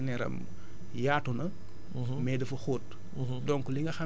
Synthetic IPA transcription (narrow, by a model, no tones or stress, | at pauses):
nɛɾɐ̰m | jaːtunɐ | mɛdɐfɐxoːt | dɔŋkuliŋɐxa